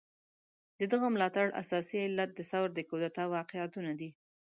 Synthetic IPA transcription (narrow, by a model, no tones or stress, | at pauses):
d̪əd̪əɣamlɑt̪aɽʔa̰sɑsiɪlːat̪̚d̪əsawɾd̪əkod̪at̪ɑwɑqɪat̪unad̪i